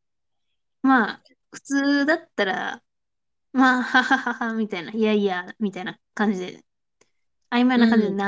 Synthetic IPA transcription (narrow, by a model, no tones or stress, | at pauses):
maː | ɸɯ̟̥t͡sɨːd̪at̪ːaɾa̰ | mahahahahamʲit̪ainaiaiamʲit̪aina | kãɲ̟d͡ʑid̪ḛ | aimaenakãɲd͡ʑid̪ena